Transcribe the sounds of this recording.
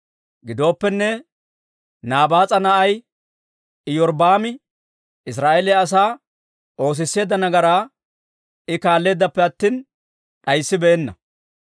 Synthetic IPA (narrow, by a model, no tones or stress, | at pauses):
ɡɪd̪o̞ːpːɛnːɛ | naːbaːt͡sʼɐnɐʔɐj | ɪjɔɾbaːmɪ | ɪs̬ɾaːʔelɛɐs̬aː | ʔo̞ːs̬ɪsːe̞ːd̪ːɐnɐɡɐɾaː | ɪkaːlːe̞ːd̪ːɐpːɛɐt̪ːiːn | ɗɐjsːɪbeːnːɐ̰